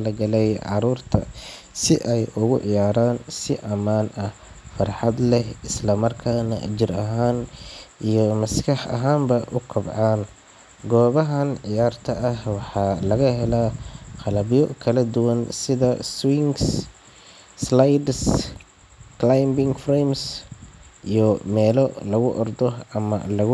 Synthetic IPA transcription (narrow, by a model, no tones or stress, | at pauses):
lɐɡɐlɛjʕɑ̰ɾuːrt̪ʰɐ̰ | sɪʔɛjʔʊɣʊʕɪjaːɾaːnsɪʔɐmaːnʔɐh | fɐrħɑd̪lɛhɪslɐmɐrkʰaːnɐ̰t͡ʃɪrɐɦaːnijɔmɐskʰɑħɐ̰ɦaːmbɐʔʊkʰɐbʕɑːn | ɡɔːβɐɦɐnʕɪjaːrt̪ʰɐʔɐhwɑħɑːlɐɣɐɦɛlaqɑlɐβjɔkʰɐlɐd̪ʊwɐnsɪðɐswɪŋɡs | slajd̪s | klajmbɪŋfreːms | ʔijɔmɛːlɔlɐɣʊʔɔrd̪ɔɐmɐ̰lɐɣʊ